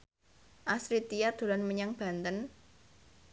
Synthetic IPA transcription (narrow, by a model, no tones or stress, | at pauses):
ʔasɾit̪ijard̪̥o̤lanməɲaŋb̥a̤nt̪ən